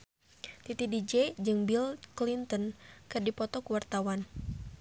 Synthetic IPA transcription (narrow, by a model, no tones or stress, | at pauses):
t̪it̪idid͡ʒɛd͡ʒɨŋbilklint̪ɔnkɨrdipɔt̪ɔkuwart̪awan